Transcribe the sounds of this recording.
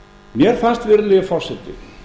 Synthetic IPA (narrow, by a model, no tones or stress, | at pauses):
mjɛɾ̥fanst̪vɪɾlɛɣɪfɔr̥sɛt̪ːɪ̰